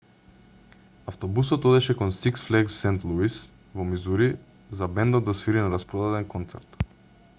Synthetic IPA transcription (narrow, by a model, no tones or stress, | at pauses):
aft̪ɔbusɔt̪ɔd̪ɛʃɛkɔnsiksflɛɡsːɛnt̪lˠuis | vɔmizuɾi | zabɛnd̪ɔd̪asfiɾinaɾaspɾɔd̪ad̪ɛnkɔnt̪sɛ̰ɾt̪